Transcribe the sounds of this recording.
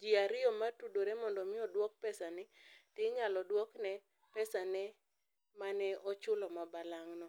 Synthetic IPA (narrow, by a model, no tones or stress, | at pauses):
d͡ʒiaɾɪɔmatudoɾɛmɔndɔmɪɔdwɔk̚pɛsanɛtɪɲalɔdwɔknɛ | pɛsanɛ | manɛɔt͡ʃʊlɔmabalaŋnɔ